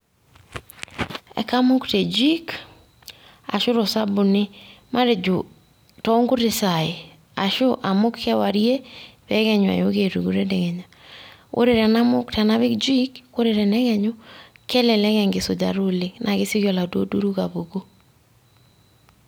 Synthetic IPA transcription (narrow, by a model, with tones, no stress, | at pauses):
ɛ̰˨ka˦mʊ˦ktɛ˨d͡ʒi˦k | a̰˨ʃʊ˦ɾo˨sa˦bʊ˨nɪ˦mʔa˦ɾe˨d͡ʒʊ˨ | tɔ˦ŋɡʊ˦ɾɪ˨sa˨ɪ˨ | a̰˨ʃʊ˦ʔa˨mʊ˦kːɛ˦wa˨ɾje˦βɛɣɛ˦ɲwa̰˨jo˦ɣe˨ɾṵ˨ɡu˨ɾɛ˦ndɛ˨ɣɛ˨ɲa˨o̰˦ɾe˨ɾɛ˨na˦mʊ˦ktɛ˨na˦βɪ˦kd͡ʒi˦ko˦ɾe˨ɾɛ˨nɛ˦ɣɛ˨ɲʊ˦kɛ˦lɛ˨lɛ˦ɣɛ˨ŋɡɪ˨sʊ˨d͡ʒa̰˨ɾʊ˦lɪ˨nʔa˨ɣɪ˦sɪ˦ɣjɔ˨la˨dwo̰˦du˦ɾu˦ɣa˨βo˨ɡo˦